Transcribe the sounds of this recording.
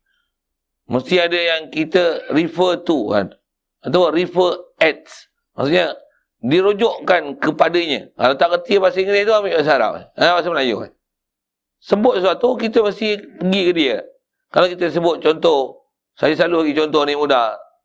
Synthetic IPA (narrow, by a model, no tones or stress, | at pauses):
məst̪iadəjaŋkit̪əɾifət̪uka̰n | at̪awəɾifəɛt̪̚s | ma̰ksuʔɲə | diɾod͡ʒɔʔkankəpadəɲə̰kalat̪aʔkət̪iəpasiŋkədiət̪uamiʔbəʔs̬aɾa̰pɛ̰pas̬əməlajo̰ | səbʊt̪̚sat̪ukit̪əməst̪ipəɡikədiə | kalawkit̪əs̬əbʊt̪̚t͡ʃɔnt̪ɔh | sajəslalulaɡit͡ʃɔnt̪ɔhnimudah